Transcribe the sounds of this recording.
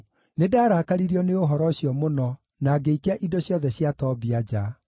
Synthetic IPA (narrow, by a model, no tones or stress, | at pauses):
nedaːɾakaɾiɾiɔneoɦɔɾɔɕjɔmonɔ | naɡeikeaʔidoɕjɔðɛɕjatɔbiad͡ʑa